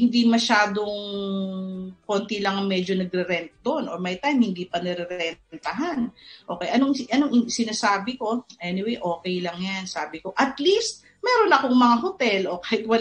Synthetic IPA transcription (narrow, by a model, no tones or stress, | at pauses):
hɪnd̪imɐʃaːd̪o̞ŋŋ | ko̞ːnt̪ɪlɐŋɐŋmɛd͡ʒo̞nɐɡɾɛɾɛnt̪̚d̪o̞nʔoɹmɐjt̪ajmhɪnd̪iːpɐnɛɾɛɾɛnnt̪ɐɦanʔo̞ːkɛjʔɐnoŋʔɐnoŋsɪnaːsaːbɪko̞ʔɛnɪwejʔo̞ːkɛjlɐŋjansaːbɪko̞ʔɐt̪list̪̚ | mɛːɾo̞nɐkoŋmɐŋaɦot̪ɛlʔo̞kaːhɪt̪̚wɐl